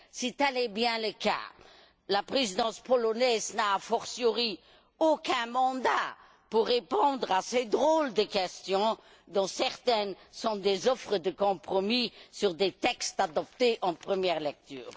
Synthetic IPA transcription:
sit̪ɛlɛbjɛ̃ləka̰ | lapʁezid̪ɑ̃spɔlɔnɛznaːfɔʁsjɔʁi | okɛ̃mɑ̃d̪a | puʁːepɔ̃d̪ʁased̪ʁold̪əkɛst̪jɔ̃ | d̪ɔ̃sɛʁt̪ɛn | sɔ̃d̪ezɔfʁəd̪əkɔ̃pχɔmisyʁd̪et̪ɛkst̪ad̪ɔp̚t̪eʔɑ̃pχəmjɛːʁlɛk̚t̪y̰ːʁ

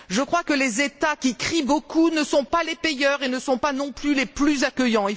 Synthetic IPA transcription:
ʒəkχwakəlezet̪akʲikχibokunəsɔ̃palepejœʁenəsɔ̃panɔ̃plyleplyzakʲəjɑ̃i

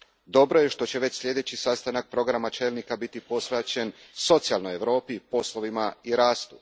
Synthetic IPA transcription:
d̪o̞bɾo̞je̞ʃt̪o̞t͡ɕe̞ʋe̞t͡ɕslʎʲe̞d̪e̞t͡ɕisast̪anak̚pɾo̞ɡɾamat͡ʃe̞ːlˠnikabit̪ipo̞sʋet͡ɕe̞nso̞t̪sijalˠnoje̞ʋɾo̞ːpipo̞slˠo̞ʋimaiɾaːst̪u̥

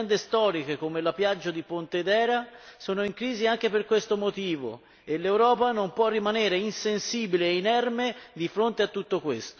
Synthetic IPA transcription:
nd̪est̪ɔːɾik̟ekomelapjad͡ʒːad̪ipont̪ed̪ɛːɾasoːnoiŋkɾiːziaŋk̟eperkwest̪omot̪iːvo̰ | elːewɾɔːpanompwɔrːimaneːɾeinsensiːbileːinɛrmed̪ifɾont̪eat̪ːut̪ːokwest̪o

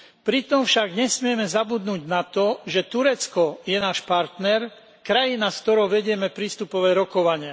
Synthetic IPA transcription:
pɾit̪ɔmfʃaɡɲɛsmɪɛmɛzabud̪nuːɟnat̪ɔʒɛt̪uɾɛt͡skɔjɛnaːʃpaɾt̪nɛɾ | kɾajinaskt̪ɔɾɔʊʋɛɟɪɛmɛpɾiːst̪upɔʋɛːɾɔkɔʋaɲɪa

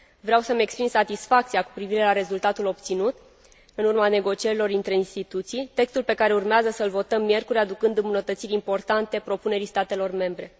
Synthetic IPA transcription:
vɾeawsəme̞kspɾinsat̪isfakt̪siaku̥pɾiviɾe̞laɾe̞zult̪at̪ulo̞pt̪sinut̪ | ɨnurmane̞ɡo̞t͡ʃie̞ɾilo̞rint̪ɾe̞inst̪it̪ut̪sijt̪e̞kst̪ulpe̞kaɾe̞urmeazəsəɨlvo̞t̪əmːije̞rkuɾʲad̪ukɨnd̪ɨmbunət̪ət̪siɾʲimpo̞rt̪ant̪e̞pɾo̞pune̞ɾist̪at̪e̞lo̞rme̞mbɾe̞

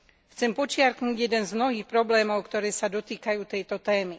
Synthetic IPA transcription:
xt͡sɛmpɔt͡ʃɪaɾknuːɟjɛd̪ɛnzmnɔɦiːxpɾɔblɛːmɔʊkt̪ɔɾɛːsad̪ɔt̪iːkajuːt̪ɛjt̪ɔt̪ɛːmi

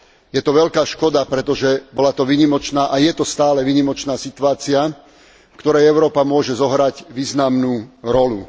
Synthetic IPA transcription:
jɛt̪ɔʋɛʎkaːʃkɔd̪apɾɛt̪ɔʒɛbɔlat̪ɔʋiːɲimɔt͡ʃnaːʔajɛt̪ɔst̪aːlɛʋiːɲimɔt͡ʃnaːsit̪uaːt͡sia | fkt̪ɔɾɛjɛʊɾɔːpamʊɔʒɛzɔɦɾaɟʋiːznamnuːɾɔlu

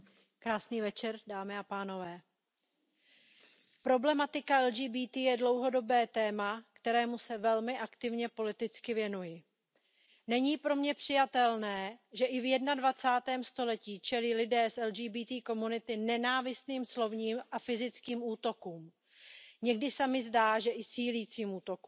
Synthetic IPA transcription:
kɾaːsniːvɛt͡ʃɛɾdaːmɪapaːno̞vɛː | pɾo̞blɛmat̪ɪkaɛld͡ʒiːbiːt̪iːjɛdlo̞wɦo̞do̞bɛːt̪ɛːmakt̪ɛɾɛːmusɛvɛlmɪʔakt̪ɪvɲɛpo̞lɪt̪ɪt͡skɪvjɛnujɪ | nɛɲiːpɾo̞mɲɛpr̝̥ɪjat̪ɛlnɛːʒɛʔɪvjɛdnadvat͡saːt̪ɛːmst̪o̞lɛciːt͡ʃɛliːlɪdɛːsʔɛlʒiːbiːt̪iːko̞munɪt̪ɪnɛnaːvɪst̪niːmslo̞vɲiːmʔafɪzɪt͡skiːmuːt̪o̞kuːm | ɲɛɡdɪsamɪzdaːʒɛʔɪsiːliːt͡siːmuːt̪o̞ku

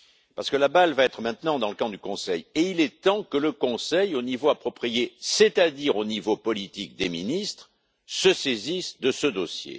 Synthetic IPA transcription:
paʁsəkəlabalvaɛt̪χəmɛ̃t̪nɑ̃d̪ɑ̃ləkɑ̃d̪ykɔ̃sɛjeilɛt̪ɑ̃kələkɔ̃sɛjonivoapχɔpχijesɛt̪ad̪iʁonivopɔlit̪ikd̪eminist̪χ | səsezisd̪əsəd̪ɔsjḛ

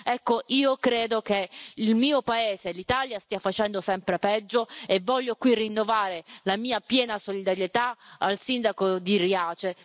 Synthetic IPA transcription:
ɛkːoʔiːokɾeːd̪ok̟eilmiːopaeːzelit̪aːljast̪iːafat͡ʃɛnd̪osɛmpɾepɛd͡ʒːoevːɔʎːokwirinːovaːɾelamiːapjɛːnasolid̪aɾjet̪aalsind̪akod̪iriaːt͡ʃe

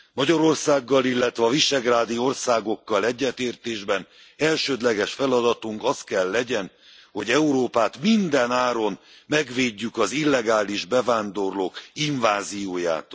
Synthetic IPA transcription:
mɒɟɒɾo̞rsaːɡːɒlilːɛt̪ʋɛɒviʃɛɡraːd̪io̞rsaːɡo̞kːɒlɛɟːɛt̪eːrt̪eːʒbɛn | ɛlʃøːd̪lɛɡɛʃfɛlɒd̪ɒt̪uŋkɒst̪̚kɛlːɛɟɛn | ho̞ɟɛuɾoːpaːt̪mind̪ɛnaːɾo̞n | mɛɡʋeːɟːykɒzilːɛɡaːliʒbɛvaːnd̪o̞rloːkiɱvaːzijoːja̰ːt̪

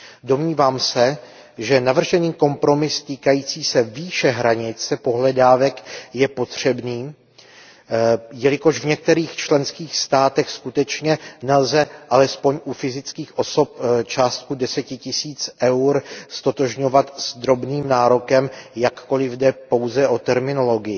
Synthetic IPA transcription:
do̞mɲiːvaːmsɛ | ʒɛnavr̩ʒɛniːko̞mpɾo̞mɪst̪iːkajiːt͡siːsɛviːʃɛɦɾaɲɪt͡sɛpo̞ɦlɛdaːvɛkjɛpo̞t̪r̝̥ɛbniː | jɛlɪko̞ʒvɲɛk̚t̪ɛɾiːxt͡ʃlɛnskiːxst̪aːt̪ɛxskut̪ɛt͡ʃɲɛnɛlzɛʔalɛspo̞ɲʔufɪzɪt͡skiːxʔo̞so̞p̚t͡ʃaːst̪̚kudɛsɛcɪcɪsiːt͡sʔɛwɾst̪o̞t̪o̞ʒɲo̞vat̪zd̪ɾo̞bniːmnaːɾo̞kɛmjakːo̞lɪvdɛpo̞wzɛʔo̞t̪ɛɾmɪno̞lo̞ɡɪjɪ

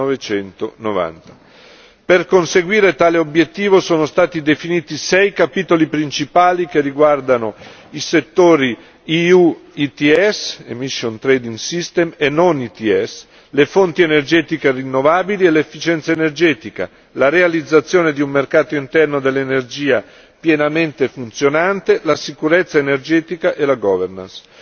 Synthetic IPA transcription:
ovet͡ʃɛnt̪onova̰nt̪ḁ | perkonseɡwiːɾet̪aːleobjet̪ːiːvosoːnost̪aːt̪id̪efiniːt̪isɛjkapiːt̪olipɾint͡ʃipaːlikerːiɡward̪anoiset̪ːoːɾi | iuit̪iɛsemiʃːont̪ɾɛd̪iŋɡsist̪emenːonit̪iɛs | lefont̪ienerd͡ʒɛːt̪ikerinːovaːbilielefːit͡ʃɛnt̪saenerd͡ʒɛːt̪ika̰ | laɾealid̪zːat̪sːjoːned̪iummerkaːt̪oint̪ɛrnod̪elːenerd͡ʒiːa | pjenament̪efunt̪sjonant̪elasikuɾet̪sːaenerd͡ʒɛːt̪ikaʔelaɡɔverna̰ns

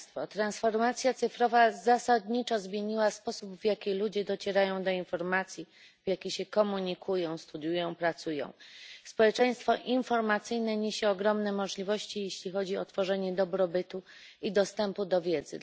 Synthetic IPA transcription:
t̪fɔt̪ɾansfɔɾmat̪sʲjat̪sɘfɾɔvazasad̪ɲit͡ʂɔzmʲjeɲiwaspɔsubvjakʲilud͡ʑɛd̪ɔt͡ɕɛɾajɔ̃w̃d̪ɔinfɔɾmat̪sʲji | vjakʲiɕɛkɔmuɲikʰujɔ̃w̃st̪ud̪jujɔ̃w̃pɾat̪sujɔ̰̃w̃spɔwɛt͡ʂɛj̃st̪fɔʔinfɔɾmat̪sɘjnɛɲeɕɛɔɡɾɔmnɛmɔʐlʲivɔɕt͡ɕijeɕlʲixɔd͡ʑiɔt̪fɔʐɛɲɛd̪ɔbɾɔbɘt̪uid̪ɔst̪ɛmpud̪ɔvʲjɛd̪zɘ̰

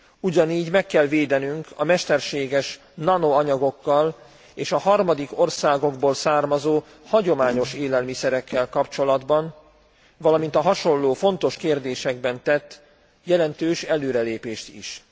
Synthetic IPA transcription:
uɟɒniːɟmɛkːɛlveːd̪ɛnyŋkʰɒmɛʃt̪ɛrʃeːɡɛʃ | nɒnoɒɲɒɡo̞kːɒl | eːʃɒɦɒrmɒd̪iko̞rsaːɡo̞ɡboːlsaːrmɒzoː | hɒɟo̞maːɲo̞ʃeːlɛlmisɛɾɛkːɛlkɒpt͡ʃo̞lɒd̪bɒn | vɒlɒmint̪ɒɦɒʃo̞nloːfo̞nt̪o̞ʃkeːrd̪eːʃɛɡ̚bɛnt̪ɛt̪ː | jɛlɛnt̪øːʃɛløːɾɛleːpeːʃt̪ḭʃ

